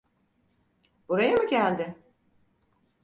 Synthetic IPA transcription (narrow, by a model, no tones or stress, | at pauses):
b̥uɾajamuɟælʲd̪ɪ